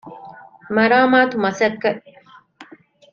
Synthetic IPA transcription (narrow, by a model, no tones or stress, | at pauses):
mɐɾaːmaːt̪umɐsɐkːɐ